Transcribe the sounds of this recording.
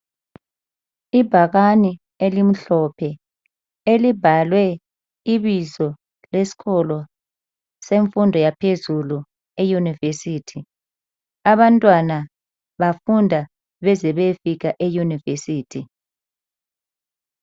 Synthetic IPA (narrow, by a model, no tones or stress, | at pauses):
ibʱaɣani | elim̩ɬɔpʰɛ | elibʱalwɛ | iβizɔ | lesi̥kʰɔlɔ | seɱfundʱɔjapʰezulu | ejunivesiːtʰi | aβantʼwana | βafundʱa | βɛzɛβefik̬aʔejunivesiːtʰi